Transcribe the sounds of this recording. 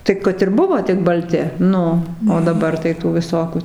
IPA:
tɐɪ ˈkɐt ɪr ˈbʊʋoː tʲɪk bɐlʲˈtʲɪ ˈnʊ oː dɐˈbɐr tɐɪ ˈtuː ʋʲɪˈsoːkʲuː

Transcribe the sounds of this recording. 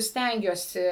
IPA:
ˈsʲtʲɛŋʲɡʲuɔsʲɪ

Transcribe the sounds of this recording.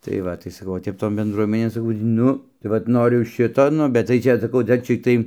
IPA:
tɐɪ ˈʋɐ tɐɪ sɐˈkɐʊ oː ˈtʲɛp ˈtoːn bʲɛnˈdruɔmʲɛnʲeːn sɐˈkɐʊ tʲiː ˈnʊ tɐɪ ˈʋɐt ˈnoːrʲʊ ˈʃʲɪtoː ˈnʊ bʲɛt tɐɪ ˈt͡ʃʲɛ sɐˈkɐʊ ˈdɐr t͡ʃʲɛ tɐɪ

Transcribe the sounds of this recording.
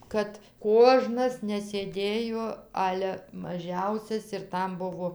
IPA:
ˈkɐt ˈkoːʒnɐs nʲɛsʲeːˈdʲeːjoː ˈɑːlʲɛ mɐˈʒʲɛʊsʲɛs ɪr ˈtɐm ˈbʊʋoː

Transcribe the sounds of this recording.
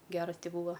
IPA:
ˈɡʲæːrɐs ˈtʲɪ ˈbuːʋɐ

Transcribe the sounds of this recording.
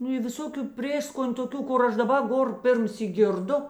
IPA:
ˈnʊ ɪ ʋʲɪˈsoːkʲʊ ˈpʲrʲeːskoːnʲ toːˈkʲuː ˈkʊr ˈɐʃ dɐˈbɐ ˈɡoːr ˈpʲɪrʲmʲˌsʲiːk ˈɡʲɪrˌdʊ

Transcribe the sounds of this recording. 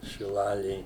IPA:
ʃʲɪˈlˠɑːlʲeːj

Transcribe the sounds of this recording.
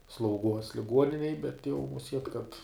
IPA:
slˠɐʊˈɡuɔs lʲɪˈɡuɔnʲɪnʲɛj bʲɛt jɛʊ mʊˈsʲiɛt kɐt

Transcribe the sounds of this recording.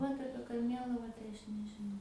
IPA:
ˈʋɐt ˈɑːpʲiɛ kɐrʲˈmʲeːlˠɐʋɑː tɐɪ ˈɐʃ nʲɛʒʲɪˈnɐʊ

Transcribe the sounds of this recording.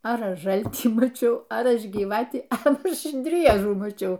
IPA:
ɐr ˈɐʃ ˈʒɐlʲtʲiː mɐˈt͡ʃʲɛʊ ɐr ˈɐʃ ɡʲiːˈʋɑːtʲiː ɐ ˈɐʃ ˈdʲrʲiɛʒuː mɐˈt͡ʃʲɛʊ

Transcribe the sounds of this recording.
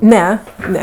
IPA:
ˈnʲɛ ˈnʲɛ

